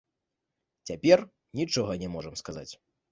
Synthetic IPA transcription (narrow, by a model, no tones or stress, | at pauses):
t͡sʲapʲɛr | nʲit͡ʂɔɣɐnʲɛmɔʐɐmskaza̰t͡sʲ